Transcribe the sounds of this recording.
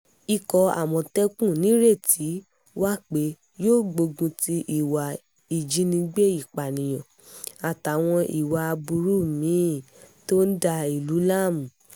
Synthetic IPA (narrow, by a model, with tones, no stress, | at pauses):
i˧kɔ˧a̰˨mɔ̃˨tɛ˦kũ˦˨nĩ˨˦ɾe˦˨ti˨˦ | wa˦k͡pe˨˦ | joː˦˨ɡ͡bo˧ɡũ˧ti˧ʔi˨wa˨ | i˨d͡ʒi˨˦nĩ˧ɡ͡be˦i˦˨k͡pa˨nĩ˨j̃ɔ̃˨ | a˨ta˨˦w̃ɔ̃˧ʔi˨wa˨a˧bu˧ɾu˦˨mĩ˨˦˨ | to˦n̩˦da˧i˨lu˨˦la˦˨mũ˨